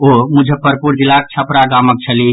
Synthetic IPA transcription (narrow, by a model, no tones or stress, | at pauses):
omud͡ʒʱepəɾpuɾd͡ʒilak̚t͡ʃʰəpɾaɡamək̚t͡ʃʰəli